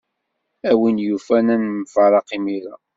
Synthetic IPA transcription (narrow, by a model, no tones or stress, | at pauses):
æwinjufænænmfəɾˤɑqimiɾæ